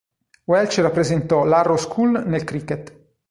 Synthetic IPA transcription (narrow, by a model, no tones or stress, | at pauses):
wɛlt͡ʃrapːɾezent̪ɔlaroskʰulnelkɾiket̪